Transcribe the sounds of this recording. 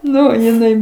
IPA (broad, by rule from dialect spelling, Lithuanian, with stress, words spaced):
ˈnʊ jɪˈnɐɪ